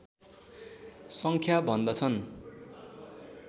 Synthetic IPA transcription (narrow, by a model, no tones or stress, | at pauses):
sʌŋkʰjabʱʌnd̪ʌt͡sʰʌn